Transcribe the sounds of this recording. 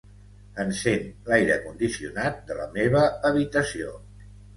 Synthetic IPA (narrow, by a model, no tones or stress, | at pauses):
ənsenlajɾəkund̪isiṵnat̪̚d̪ələ̰meβ̞əəβit̪əsio̰